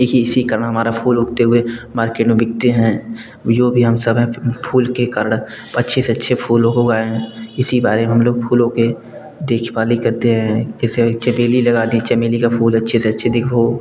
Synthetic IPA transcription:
ekiɪsikəɾəɽ̃ɦɐmaːɾapʰuːlɦʊɡt̪eɦʊemaːɾkeːʈmẽbɪɡ̚t̪eɦɛ̃ː | joːbʱiɦɐmsəbpʰuːlkekəɾəɽ̃ | ɐtːʃʰeseɐtːʃʰepʰuːlõkoɡaːeɦɛ̃ɪsibaːɾemeɦɐmloːɡpʰuːlõke | d̪eːkʰʋaːlikɐɾt̪eɦɛ̃kɛːset͡ʃɛmeːlilɐɡaːd̪ĩt͡ʃɛmeːlikapʰuːlɐtːʃʰeseɐtːʃʰed̪ɪkʰo

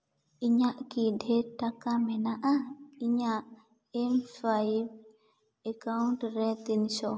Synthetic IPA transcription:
iɲaʔkidʱɛʈakamɛnaʔaiɲaʔ | ɛmfajb | ekawnʈɾɛt̪insɔ

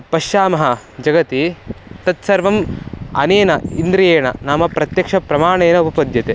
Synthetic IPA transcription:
pɐʃaːmɐɦɐ | d͡ʒɐɡɐt̪it̪ɐt̪sɐɾʋɐmɐneːnɐind̪ɾieːɐɳɐ̰naːmɐpɾɐt̪jɐkʂɐpɾɐmaːɳeːnɐupɐpɐd̪jɐt̪e

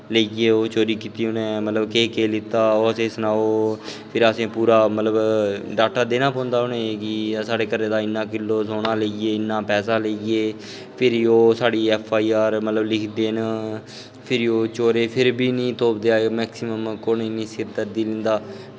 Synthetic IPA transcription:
ləieːoːt͡ʃoːɾiːkiːt̪iːʊnẽːmət̪ləbkeːkeːlɪt̪aːoːəsẽːsənaːoːpʰɪɾəsẽːpuːɾaːmət̪ləbɖaːk̚ʈaːd̪eːnãːpɔ̃ːnd̪aːʊnẽkɪsaːɽeːkəɾẽːd̪aːɪnːãːkɪlːoːsoːnaːləieːɪnːãːpɛːsaːləieː | pʰɪɾoːsaːɽiːɛːpʰːaːiːaːɾmət̪ləblɪkʰd̪eːnə | pʰɪɾoːt͡ʃoːɾeːpʰɪɾbiːnĩːt̪oːp̚d̪eaːmɛːksɪməmkoːniːnĩːsɪɾt̪əɾd̪iːlɪ̃nd̪aː

